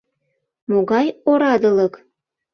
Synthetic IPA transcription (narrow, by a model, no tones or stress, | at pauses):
moɣɑjoɾɑd̪ɤ̆lɤ̆k